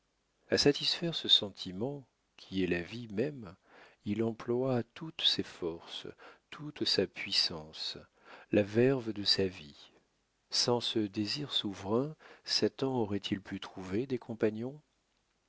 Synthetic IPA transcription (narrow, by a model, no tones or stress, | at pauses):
asat̪isfɛʁsəsɑ̃t̪ʰimɑ̃ | kʲʰiɛlavimɛm | ilɑ̃plwat̪ut̪sefɔʁst̪ʰut̪sapɥisɑ̃s | lʔavɛʁvd̪əsavi | sɑ̃səd̪eziʁsuvʁɛ̃sat̪ɑ̃ɔʁɛt̪ʰilpyt̪χuved̪ekʰɔ̃panjɔ̃